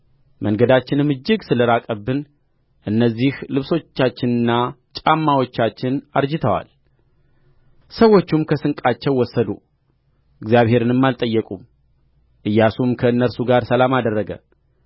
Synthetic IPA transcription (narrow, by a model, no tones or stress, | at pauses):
mʔəŋɡəd̪at͡ʃːɪnɨmɨd͡ʒːɨɡsɨləɾakʼəbːɨn | ʔɨnːəzːihlɨβso̞t͡ʃːat͡ʃːɪnɨnːa | t͡ʃʼamːawo̞t͡ʃːat͡ʃːɪnaɾd͡ʒɨt̪ʰəwa̰l | səwo̞t͡ʃːumkʰəsɨŋkʼat͡ʃːɛwːɔsːəd̪ṵ | ʔɨɡzijaβhe̞ɾɨnɨmːalt̪ʼəjːɛkʼum | ʔɨjːasumkʰəɨnːəɾsuɡaɾsəlamad̪ərːəɡə̰